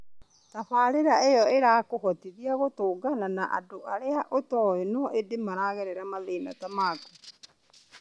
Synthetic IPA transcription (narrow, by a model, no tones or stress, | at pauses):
taβaːɾeɾaejɔeɾaːkohɔtiðiaɣotoːɡananaʔa̰doʔaɾeaʔotɔenɔʔedemaɾaːɣeɾɛɾamaðena̰tamaːku